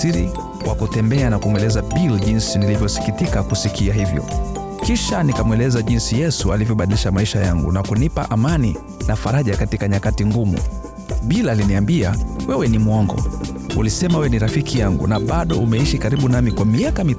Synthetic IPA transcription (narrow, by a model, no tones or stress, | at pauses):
iɾḭ | wakutɛmbɛanakumwɛlɛzaɓilʄinsinilivjɔsi̥kitikakusikʰiaɦivjɔ̰ | kiʃanikamwɛlɛzaʄinsijɛsualivjɔɓaɗiliʃamaiʃajaŋɡṵnakunipa̰ʔamani | nafaɾaʄakatikaɲakatiŋɡumṵ | ɓilaliniambia̰wɛwɛnimuɔŋɡɔ̰ | ulisɛmawɛniɾafikʰijaŋɡṵnaɓaɗɔʔumɛiʃikaɾiɓunamikwamiakami